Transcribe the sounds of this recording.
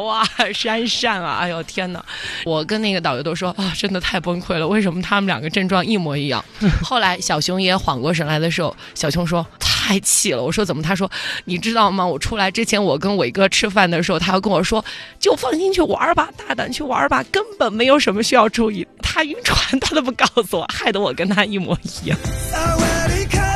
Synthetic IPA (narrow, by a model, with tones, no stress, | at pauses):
wa˥˩ʂa˥nʂa˥˩nɐ̰˩a̰˥˩ɪjo˨˩ʊt̪ʰjɛ˥nnə̰˨˩wɔ˨˩kə˥na˥˩ɡə˩ɑ˨˩ʊjo˧˥ʊt̪o˥ʊʂwɔ˥ʔɐ˥˩ʈ͡ʂə˥nd̪ə˨t̪ʰa˥˩ɪpwə˥nkʰwe˥˩ɪlə˩we˥˩ɪʂə˧˥nmə˧t̪ʰa˥mə˨ljɑ̰˨˩ŋɡə˦ʈ͡ʂə˥˧ŋʈ͡ʂwɑ˥˧ŋi˥˩mwɔ˧˥i˧˥jɑ̰˥˩ŋxo˥˩ʊla˧˥ɪɕjɑ˨˩ʊɕʊ˧˥ŋjɛ˥xwɑ̰˨˩ŋkwɔ˥˩ʂ̬ə˧˥nla˧˥ɪd̪ə˧ʂ̬ɻ̩˧˥xo̰˧˩ʊɕjɑ˨˩ʊɕʰʊ˧˥ŋʂ̬wɔ˥t̪ʰa˥˩ɪt͡ɕʰi˥˩lə̰˦wɔ˨˩ʂwɔ˥t͡sə˨˩nmə˦t̪ʰa˥ʂ̬wɔ˥ni˨˩ʈ͡ʂɻ̩˥t̪ɑ˥˩ʊmɐ˩wɔ˨˩ʈ͡ʂʰu˥la˧˥ɪʈ͡ʂɻ̩˥t͡ɕʰjɛ˧˥nwɔ˨˩kə˥nwɔ˨˩i˧˥ɡə˧ʈ͡ʂʰɻ̩˥fa˥˩nd̪ə˩ʂɻ̩˧˥xo˥˧ʊt̪ʰa˥jʊkə˥nwɔ˨˩ʂwɔ˥t͡ɕjo˥˧ʊfɑ˥˩ŋɕi˥nt͡ɕʰy˥˩wa̰˧˥ba˨˩t̪a˥˩t̪a̰˨˩˦nt͡ɕʰy˥˩wa̰˧˥ba˨˩kə˥npə˨˩nme˧˥ɪjo˧˥ʊʂə˧˥nmə˧ɕy˥jɑ˥˧ʊʈ͡ʂu˥˧i˥˩t̪ʰa˥y˥nʈ͡ʂʰwa˧˥nt̪ʰa˥d̪ə˨p̬u˧˥˩kɑ˥˩ʊsu˧˩wɔ̰˨˩xa˥˩ɪd̪ə˧˥wɔ˨˩kə˥nt̪ʰa˥i˥˩mwɔ˧˥i˧˥jɑ̰˥˩ŋ